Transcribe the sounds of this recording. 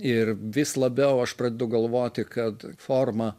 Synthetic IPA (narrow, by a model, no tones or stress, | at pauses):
ɪrʋʲɪslˠɐbʲɛʊɐʃpɾɐd̪ʲeːd̪ʊɡɐlˠʋoːt̪ʲɪkɐt̪foːrmɐ